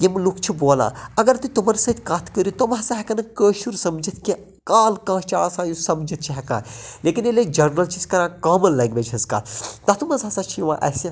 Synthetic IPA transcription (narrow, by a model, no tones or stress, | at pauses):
jemlukʰt͡ʃʰiboːla̰ːɐɡɐɾt̪ut̪umɐnsɐt̪ʲkaːt̪ʰkəɾit̪omɦɐsaɦɛkɐnɐkəːʃuɾsɐmd͡ʒɐt̪ʰki | kaːlkãːt͡ʃaːlaːsãːjusɐmd͡ʒɐt̪̚ʰt͡ʃʰiɦɛka̰ːnleːkineled͡ʒɐɾnɐlt͡ʃʰiskɐɾãːkaːmɐlːɐɡʋed͡ʒɦɐzka̰ːt̪t̪at̪umɐzɐsat͡ʃʰijʋã̰ʔɐ̰sã